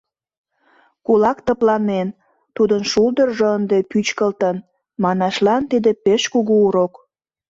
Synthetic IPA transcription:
kulɑkt̪əplɑnen | t̪ud̪ənʃulˠd̪ərʒəənd̪epyt͡ɕkəlt̪ən | mɑnɑʃlɑnt̪id̪epeʃkuɣuuɾok

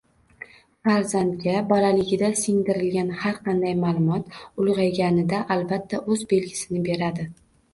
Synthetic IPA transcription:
faɾzant̪ɡʲabɒlalɪɡʲɪd̪asɪŋd̪ɪɾɪlɡʲanhaɾqʰɑnd̪ajmaːlˠʊmɒt̪ʊlˠʁɑjɡʲanɪd̪aʔalbat̪ʰːaʔɵzbe̞lɡʲɪsɪnɪbe̞ɾad̪ɪ

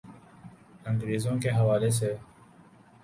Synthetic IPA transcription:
t̪ə̃ŋɡ̪ɾiːzõːkeɦɐʋaːles̬eː

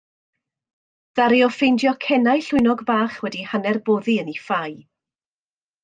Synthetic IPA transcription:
ð̥aɾiɔfejndjɔkʰɛnajɬʊɨnɔɡbaːχwɛdihanɛrboːðiənifaj

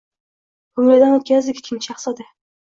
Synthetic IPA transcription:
bʊŋlad̪anot̪kʲazd̪ɪkʲkʲʰɪmt͡ʃʰaχsad̪ɪ

